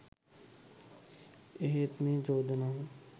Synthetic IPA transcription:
eɦet̪mẽːd͡ʒoːd̪naɦũː

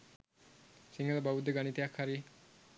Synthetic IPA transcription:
siŋɡələbaʋud̪ːəɡanit̪ijakhaɾi

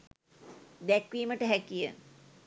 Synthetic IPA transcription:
d̪ɛkʋiːməʈəɦɛkijə̰

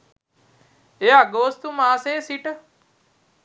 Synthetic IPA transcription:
eaɡoːst̪umaːseːsiʈ

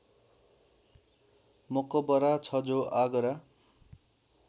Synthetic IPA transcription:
mokʌbʌɾat͡sʰʌd͡zoʔaɡʌɾa

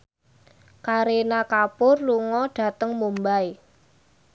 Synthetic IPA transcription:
kaɾenakapʊrluŋɔɖ̥a̤t̪əŋmumbaj

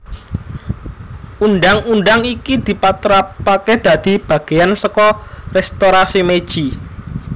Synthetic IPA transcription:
unɖaŋunɖaŋikid̪̥i̤pat̪ɾapːaked̪̥a̤d̪̥i̤b̥ä̤ɡ̥e̤jansəkɔrɛst̪oɾasimed̥ʒ̥i

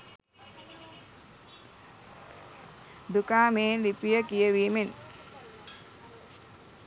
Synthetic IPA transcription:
d̪ukaːmeːlipijəkijəʋiːmen

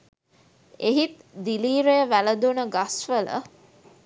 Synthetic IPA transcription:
eɦit̪d̪iliːɾejəʋæləd̪unəɡasʋələ̰

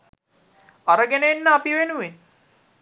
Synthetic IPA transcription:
aɾəɡænəenːəapiʋenuʋen

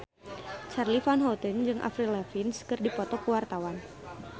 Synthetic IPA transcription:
t͡ʃarlifanɦɔt̪ənd͡ʒɨŋʔa̰fɾilɛfinskɨrdipɔt̪ɔkəwart̪awan

